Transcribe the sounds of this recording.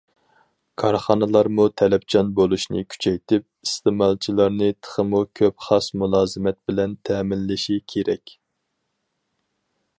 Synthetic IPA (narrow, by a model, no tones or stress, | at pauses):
kʰɑɾχɑnɨlˠɑɾmut̪ʰɛlɛpt͡ʃʰɑnbolˠuʃnɨ̰kʲʰy̥t͡ʃʰɛjt̪ɪp̚ist̪ɪmɑlˠt͡ʃʰilˠɑɾnɨt̪ʰə̥χəmukʲʰøpχɑsmulˠɑːzɨmɛt̪̚bɪlɛnt̪ʰɛːmɪlːɪʃikʲʰeɾɛkʲ